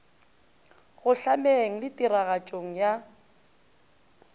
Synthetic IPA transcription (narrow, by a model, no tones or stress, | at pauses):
ɣʊɬameŋ̩lɪtʼiɾaɣat͡ʃʼoŋ̩ja